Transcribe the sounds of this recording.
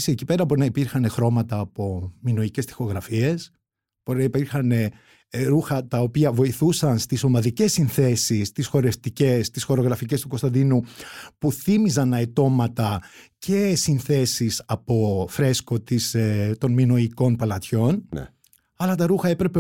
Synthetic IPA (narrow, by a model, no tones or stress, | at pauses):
siecipe̞ɾɐpo̞ɾnɐipiɾxɐne̞xɾo̞mɐt̪ɐːpo̞mino̞ice̞st̪i̥xo̞ɣɾɐfie̞s | poɾinɐipiɾxɐne̞ | ɾuxɐt̪ɐopiɐvo̞iθusɐnst̪iso̞mɐðice̞sːinθe̞sist̪isxo̞ɾeft̪ice̞st̪isxo̞ɾoɣɾɐfice̞st̪uko̞st̪ɐnd̪inupuθimizɐnɐet̪o̞mɐt̪ɐce̞sinθe̞sisɐpo̞fɾe̞sko̞t̪ist̪o̞nmino̞iko̞npɐlɐt̪ço̞nn̰ | ɐlɐt̪ɐɾuxɐe̞pɾe̞pe